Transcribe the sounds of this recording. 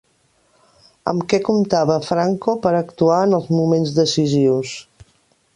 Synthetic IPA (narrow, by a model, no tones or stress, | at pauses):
ə̰mkɛkumt̪aβəfɾaŋkopəɾəkt̪uaənəlˠzmumenzd̪əsiziws